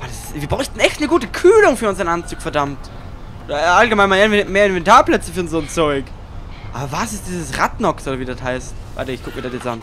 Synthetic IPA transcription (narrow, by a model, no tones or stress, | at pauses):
vadasviːbʁaʏçtn̩ɛçtnəɡuːtəkʰyːlʊŋfyːɐʊnzɐənʔant͡suːkfɛɐdamt | aʔalɡəmaɪnmanvmeːɐɪnvɛntʰaːɐpl̥ɛt͡səfyːɐnzoːnt͡sɔʏk | ʔa̰ːbɐvasɪst̚d̥iːzəsʁatnɔksodɐviːdathaɪstva̰ɪtɐɪçkʰʊk̚miɐdastjɛt͡sʔa̰n